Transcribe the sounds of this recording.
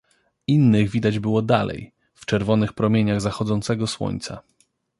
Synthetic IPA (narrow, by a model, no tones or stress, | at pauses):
inːɘɣvʲid̪ad͡ʑbɘwɔd̪alɛ̰j | ft͡ʂɛɾvɔnɘxpɾɔmʲjeɲaɣzaxɔd̪zɔnt̪sɛɡɔswɔ̰ɲt̪sa̰